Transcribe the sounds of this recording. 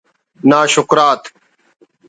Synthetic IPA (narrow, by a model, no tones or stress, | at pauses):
naːʃʊkɾaːt̪